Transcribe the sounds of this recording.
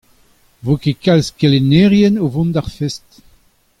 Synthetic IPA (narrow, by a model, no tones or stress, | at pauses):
vokekalskeleneʁjɛnovɔ̃nd̪aʁfɛst